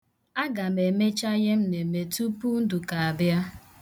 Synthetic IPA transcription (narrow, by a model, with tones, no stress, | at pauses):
a˦ɡa˨me˨me˦t͡ʃa˦ɣɪ˦m̩˦ne˨me˨tu˦pu˦n̩˦du˨ka˨a˨bja˦